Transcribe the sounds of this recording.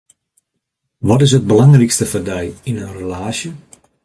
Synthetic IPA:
ʋɔtɪs̬ɦəd̚bəlɑŋrikstəfərdɛjinənrəlaːsjə

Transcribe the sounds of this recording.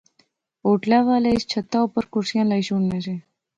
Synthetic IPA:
oʈlaʋaləist͡ʃʰət̪ːaupəɾkʊɾʃijãləiʃuɳnet͡ʃʰe

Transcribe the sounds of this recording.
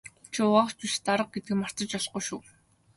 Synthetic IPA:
t͡ɕʰʊʊʁaχt͡suʃt̪aɾə̆q̚ɡet̪̚ɡɘ̆kmar̥t̪ə̆t͡ɕɔɮqujʃuː

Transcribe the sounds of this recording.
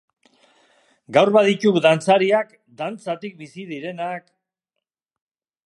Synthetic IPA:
ɡawɾβaðicukd̪ant͡saɾiak | d̪ant͡sat̪ik̚bisiðiɾe̞nak

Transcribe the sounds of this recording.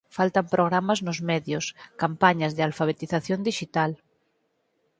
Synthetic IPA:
falt̪ampɾʔoɣ̞ɾamaznʊzmɛðjʊskampaɲazðealfaβ̞et̪iθaθjond̪iʃit̪al

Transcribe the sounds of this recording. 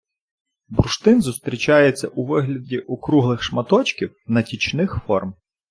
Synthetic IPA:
bɾʃt̪ɪnzʊst̪ɾʲit͡ʃɑjet͡sʲːɐʔuʋɪɦlʲɐdʲiʔɔkɾuɦlˠɪxʃmɐt̪ɔt͡ʃkʲiwnɐtʲit͡ʃnɪxfɔrm

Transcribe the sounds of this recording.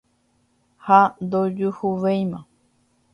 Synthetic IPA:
had̪od͡ʒuhuʋejmã

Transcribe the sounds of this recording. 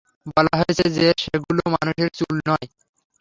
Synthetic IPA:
bɔlaɦɔjet͡ɕʰed͡ʑeʃeɡulomanuʃeɾt͡ɕulnɔe

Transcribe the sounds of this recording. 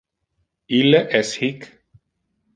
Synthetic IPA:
ileʔeshik

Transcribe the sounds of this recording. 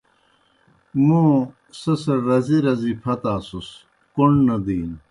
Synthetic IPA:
mũ | sɐsɐɾɐziɾɐzipʰɐt̪aːsus | kuɳɖnɐd̪iːn

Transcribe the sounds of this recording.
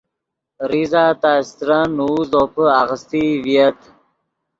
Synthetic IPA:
ɾizaːt̪ast̪ɾanuːzopəaɣəst̪iviət̪

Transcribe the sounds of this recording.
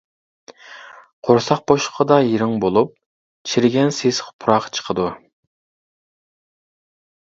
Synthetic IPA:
qʰoɾsɑq̚boʃqʰəd̪ɑjeɾɪŋbolˠup̚ | t͡ʃʰiɾɪɡʲɛnsesχpʰʊɾɑqt͡ʃʰə̥qʰəd̪u

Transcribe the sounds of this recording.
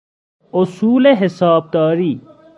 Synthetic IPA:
ʊsuːleɦɪsaːb̚d̪aːɾiː

